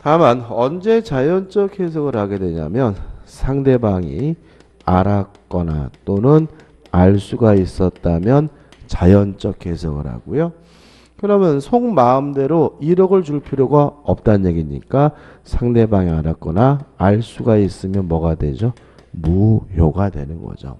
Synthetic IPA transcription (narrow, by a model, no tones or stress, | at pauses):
tamanʌnd͡ʑe̞t͡ɕajʌnt͡ɕ͈ʌkʰhe̞s̬ʰʌɡɯɾhaɡe̞dweɲa̰mjʌnsʰaŋde̞baŋi | aɾak͈ʌna̰t͈onɯn | aɭs͈uɡais͈ʌt̚t͈amjʌn | t͡ɕajʌnt͡ɕ͈ʌk̚kʰe̞sʰʌɡɯ̰ɾha̰ɡojo | kɯɾʌmjʌnsʰoŋmaɯmde̞ɾoiɾʌɡɯɭt͡ɕuɭpʰiɾjoɡaʌp̚t͈anːe̞ɡiɲḭk͈asʰaŋde̞baŋiaɾak͈ʌnaːɭs͈uɡais͈ɯmjʌnmʌɡadwe̞̰d͡ʑo | mujoɡadwe̞̰nɯnɡʌ̰d͡ʑo̰